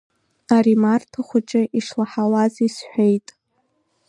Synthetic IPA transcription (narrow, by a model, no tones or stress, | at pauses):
aɾimartʰaχʷʊt͡ʃʼɪʔiʂlaħalazisħʷᶣejtʼ